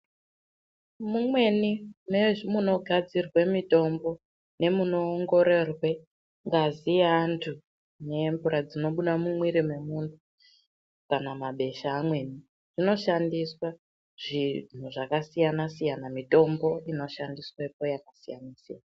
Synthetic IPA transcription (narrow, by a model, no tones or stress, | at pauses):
mumwe̞nimeʐmuno̞ɡʱad͡zirwe̞mito̞mbo̞ | ne̞muno̞ːŋɡo̞ɾe̞rwe̞ | ŋɡaziantʰu | ne̞mbuɾad͡zino̞ɓuɗamumwiɾime̞muntʰu | kanamaɓe̞ʃaːmwe̞ni | ʐ̥ino̞ʃandiswa | ʐ̥in̤uʐakasijanasijanamito̞mbo̞ino̞ʃandiswepojakasija̰nasija̰na